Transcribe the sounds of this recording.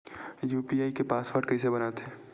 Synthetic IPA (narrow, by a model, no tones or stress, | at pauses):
juːpiaːikepaːsʋəɖkɐisebɐnaːt̪ɛː